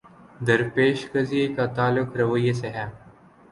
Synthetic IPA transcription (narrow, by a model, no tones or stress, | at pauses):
d̪ɐɾpeːʃkɐzijekat̪aːlʊkɾɐwəjeseɦɛː